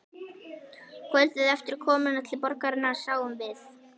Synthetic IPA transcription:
kʰœlt̪ɪðɛft̪ɪɾ̥kʰɔːmʏnat̪ʰɪlpɔɾkaɾɪnːasaːwʏmvɪθ

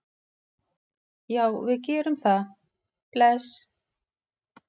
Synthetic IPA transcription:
jaːwvɪðcɛːɾʏmθa | plɛs

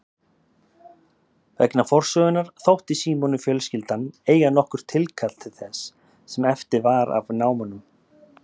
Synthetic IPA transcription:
vɛ̰knafɔr̥sœːɣʏnːaɾ̥θowht̪isiːmɔnʏfjœːlscɪlt̪aneːjɣanɔhkʏɾ̥t̪ʰɪlkʰal̥t̪ʰɪ̥θɛsː | ɛmɛft̪ɪɾvaɾa̰vnaːwmanʏm

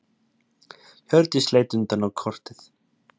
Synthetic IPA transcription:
çœɾt̪ɪsleːjt̪ʏnt̪anawkʰɔr̥t̪ɪθ

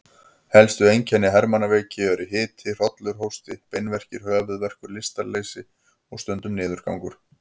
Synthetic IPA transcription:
hɛlst̪ʏejncʰɛnːɪɦɛɾmanːaveːjcɪœɾɪɦɪːt̪ʰɪr̥ɔt̪lʏɾ̥ɦowst̪ɪpejnvɛr̥cɪɾ̥hœːɣavɪðvɛr̥kʏɾlɪst̪aɾlejsɪ | ɔɣst̪œnt̪ʏmnɪːðʏɾ̥ka̰wŋkʏɾ̥

